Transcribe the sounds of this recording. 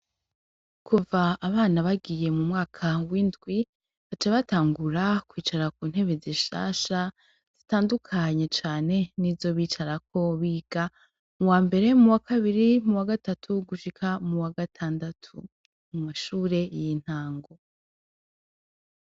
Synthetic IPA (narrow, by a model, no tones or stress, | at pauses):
kʰuvaːβaːnaβaɡije̞mumŋaːkʰawindɡwi | βat͡ʃeβataːŋɡuɾakwiːt͡ʃaɾakuːn̥he̞βeziʃa̰ʃa | z̥itaːndukʰaɲe̞t͡ʃaːne̞nivzo̞βiːt͡ʃaɾak̚ʰo̞βiːɡ̥a | muwaːmbe̞ɾe̞muwakʰaβiɾimuwaɡatatʰuɡuʃikʰamuwaɡatʰaːndatʰṵ | mumaʃuːɾe̞jin̥haːŋɡo̞